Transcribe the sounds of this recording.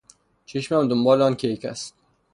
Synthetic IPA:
t͡ʃʰeʃmæmd̪ombɒːleɒːnkʰejkʰæst̪̚

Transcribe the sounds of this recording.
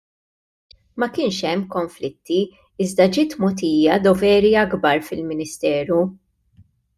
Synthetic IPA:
mɐkɪːnʃɛmːkɔɱflɪt̪ːi | ɪzd̪ɐd͡ʒɪːt̪mɔt̪̬iːjɐd̪ɔvɛːɾiɐɡbɐɾfɪlmɪnɪst̪ɛːɾu

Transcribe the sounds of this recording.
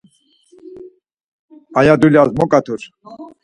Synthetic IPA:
ajad̪uljazmɔkʼat̪ʰuɾ

